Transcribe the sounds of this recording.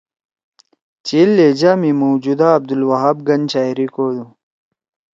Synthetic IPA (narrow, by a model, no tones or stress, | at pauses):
t͡ɕelːed͡ʑaːmimod͡ʑud̪aːb̚d̪ulwɐɦaːbɡɐnt͡ɕaːiɾikoːd̪ũ